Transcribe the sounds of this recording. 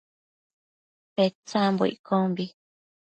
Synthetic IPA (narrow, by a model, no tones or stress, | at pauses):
pet͡sãmboḭʔkʰõmbi